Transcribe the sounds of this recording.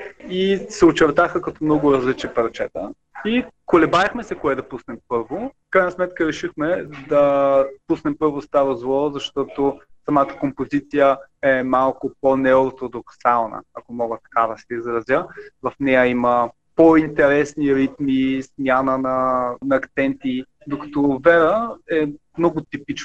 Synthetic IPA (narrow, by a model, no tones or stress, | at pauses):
isɛot͡ʃɛɾt̪axəkɐt̪ɔmnɔɡʊɾɐzlit͡ʃipɐɾt͡ʃɛt̪ə | ikolɛbaəxmɛsɛkoɛd̪ɐpusnɛmpɤɾvofkɾajnɐsmɛt̪kəɾɛʃixmɛd̪ɐpusnɛmpɤɾvost̪aɾozlˠɔzɐʃt̪ɔt̪osɐmat̪ə̥kompozit̪sijəɛmalˠkʊponɛɔt̪ɾod̪oksalˠnə̰ɐkomɔɡət̪ɐ̥kad̪ɐsɛizɾɐzjəvɐfnɛjəimə | point̪ɛɾɛsniɾit̪mismʲjanənɐnɐːkt̪sɛnt̪i | d̪okɐ̥t̪ɔvɛɾəɛmnɔɡʊt̪ipit͡ʃ